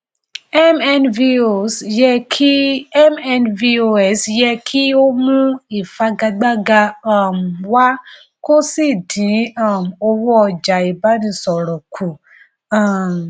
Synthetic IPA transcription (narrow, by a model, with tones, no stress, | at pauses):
ɛ˦mɛ˧nvi˧o˨sjɛ˧kʰi˦ɛ˦mɛ˧nvi˧o˧ɛ˨sjɛ˧kʰi˦o˦mũ˧i˦˨fa˨˦ɡa˧ɡ͡ba˦ɡa˧ã˦˨m̩˨wa˦ | ko˦si˦˨dĩ˨˦ã˦˨m̩˨o˧wɔ˦ɔ˧d͡ʒa˨i˨ba˨˦nĩ˧sɔ˨ɾɔ̃˨kʰu˨ | ã˨m˨